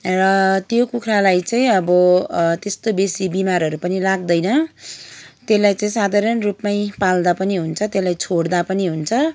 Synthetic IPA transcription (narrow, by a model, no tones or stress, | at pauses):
rʌt̪jokukʰralajt͡sʌĩʌbʌt̪est̪obesibimaɾʌɾupʌnilaɡ̚d̪ʌjnʌ | t̪elajt͡saĩsad̪ʱaɾʌnrupmajpald̪apʌniɦunt͡sʰʌt̪elajt͡sʰoɽd̪apʌniɦunt͡sʰʌ